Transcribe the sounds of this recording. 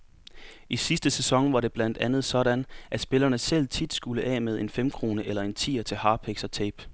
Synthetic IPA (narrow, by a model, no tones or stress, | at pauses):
isisd̥əsesɒ̽ŋʋɑ̈ɾe̝b̥læn̰d̥ænð̞̩ˠsɒ̽ɾ̥ænʔæ̥sb̥e̝lɐnəsel̰t͡sʰid̥sɡ̥uləʔɛ̰ːmeð̞ˠʔe̝nfem̰kʰʁo̝ːnəʔelɐe̝nt͡sʰḭːɐt͡sʰe̝lhɑ̈ːpʰeɡ̥sɒ̽t͡sʰeːb̥